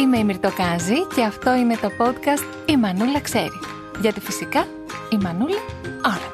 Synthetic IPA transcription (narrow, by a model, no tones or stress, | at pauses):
ime̞imiɾt̪okɐzice̞ɐft̪o̞ine̞t̪o̞po̞t̪kɐst̪ | imɐnulɐkse̞̰ɾi | ʝɐt̪ifisikɐ | imɐnulɐɐ